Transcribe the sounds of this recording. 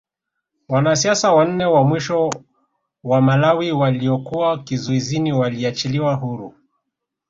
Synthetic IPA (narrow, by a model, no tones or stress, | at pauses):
wanasiasawan̩nɛwamwiʃɔ | wamalawiwaliɔkuwakizuiziniwaliat͡ʃiliwaɦuɾu